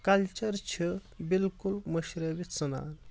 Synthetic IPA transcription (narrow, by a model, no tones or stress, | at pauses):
kɐlt͡ɕəɾt͡ɕʰə | bilkulməɕɾaʋit͡səna̰n